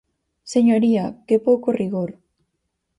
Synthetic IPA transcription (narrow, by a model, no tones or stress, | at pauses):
seɲoɾiakepokoriɣoɾ